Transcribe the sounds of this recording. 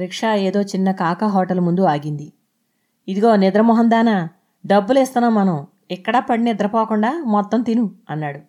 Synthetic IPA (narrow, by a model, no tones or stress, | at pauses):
ɾikʂaːeːd̪o̞ːt͡ʃinːɐkaːkɐɦɔːʈɐlmund̪uaːɡind̪i | id̪iɡo̞ːnid̪ɾɐmɔɦɐnd̪aːnɐ | ɖɐbːuleːst̪ɐnːɐmːɐnɐm | ɛkːɐɽɐpɐɽinid̪ɾɐpoːkuɳɖaːmɔt̪ːɐmt̪inuɐnːaːɽu